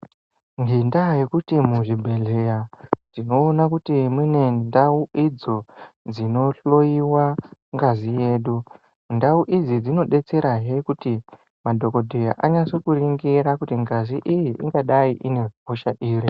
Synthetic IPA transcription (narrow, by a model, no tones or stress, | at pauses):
ŋɡendajikutimuʐibʱe̞ɮejad͡zino̞ːnakutimwine̞ndauid͡zo̞d͡zino̞ɬo̞iwaŋɡazije̞ːɗu | ndauʔid͡zid͡zino̞ɗe̞t͡se̞ɾʔaɦekuti | madʱo̞ko̞dʱeja̰ʔaɲasokuɾiŋɡiɾakutiŋɡaziʔijiʔḭŋɡaɗaiʔine̞rɦoʃaʔiːri